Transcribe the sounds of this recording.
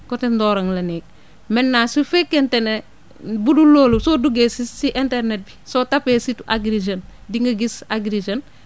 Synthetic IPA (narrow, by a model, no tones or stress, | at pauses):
kɔtendɔːɾɐŋlɐnɛːk̚ | mɛnːasufekːentene | buduloːlusoduɡeːsisiʔentɛɾnet̚bisotapeːsitaɡɾid͡ʒɐndiŋɡɐɡisaɡɾid͡ʒɐn